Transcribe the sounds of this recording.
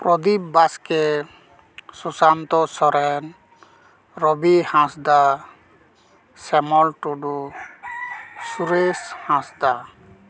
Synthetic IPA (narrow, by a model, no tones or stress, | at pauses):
pɾɔd̪ibbaskɛ | susant̪ɔsɔɾɛn | ɾɔbihãsd̪a | sɛmɔlʈɔɖu | suɾeshãsd̪a